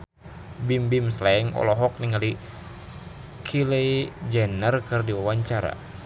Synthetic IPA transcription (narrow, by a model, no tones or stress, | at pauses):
bimbimslaɛŋɔ̰lɔɦɔk̚niŋali | kʰilɛid͡ʒɛnərkɨrdiwawaɲt͡ʃaɾa̰